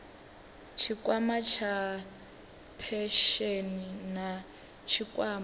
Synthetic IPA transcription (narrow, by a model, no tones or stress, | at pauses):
t͡ʃʰikʼwamat͡ʃʰa | pʰɛʃenina | t͡ʃʰikʼwaːm